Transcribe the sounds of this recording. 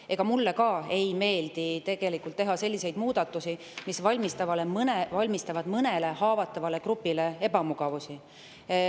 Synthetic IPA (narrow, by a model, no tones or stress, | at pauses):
e̞ɡ̥ɑmulːekɑːe̞jme̞ːld̪̥it̪e̞ɡ̥e̞likˑult̪ːe̞ɦɑse̞lːise̞jd̪̥muːd̪̥ɑt̪ːˑusi | misvɑlʲmist̪ɑvɑlemnevɑlʲmist̪ɑvɑd̪̥mɤne̞le̞hɑːvɑt̪ːˑɑvɑle̞kɾupːile̞e̞bɑmuɡ̥ɑvusi